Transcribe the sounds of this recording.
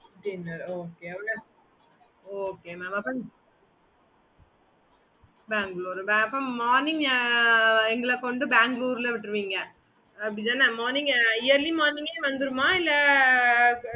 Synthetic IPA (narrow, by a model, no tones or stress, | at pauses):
ʈinːɐɾoːkeːɐʋɐɽɐ | oːkeːmaːmɐpːɐ | baːŋɡɭuːɾbɐpːõːmaːɾnɪŋɡ | ɛŋɡɐɭɐkɔɳɖɯbaːŋɡluːɾlɐʋɪʈːɾɯʋiːŋɡɐ | ɐpːɽɪd̪ãːnɐmaːɾnɪ̃ŋɡɪjɐɾlimaːɾnɪ̃ŋɡeːʋɐnd̪ɯɾɯmaːɪlːɐ